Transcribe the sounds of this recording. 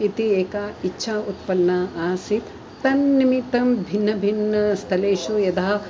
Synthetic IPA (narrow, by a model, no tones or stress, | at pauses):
it̪ieːkaːitːʃʰaːut̪pɐlnaaːsit̪ː | ɐnːimit̪ɐmbʱinːɐbʱinːɐst̪ʰɐleːʃujɐd̪aːɐ